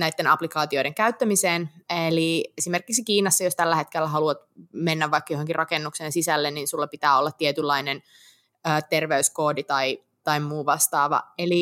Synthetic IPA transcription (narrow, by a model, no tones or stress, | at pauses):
næit̪ːenɑplikɑːt̪io̞iɾeŋkæyt̪ːæmiseːneliesimerkiksikiːnɑsːɑjost̪ælːæhet̪kelːæɦɑluɑt̪menːæʋʋːɑikːɑjoɦoŋkirʔɑkenːukseːnsisælːenninsulːɑpit̪æːolːɑt̪ːiet̪ylːɑinen | øːt̪erʋeyskoːdit̪ɑi | t̪ɑimmuːʋɑst̪ɑːʋɑ̰eli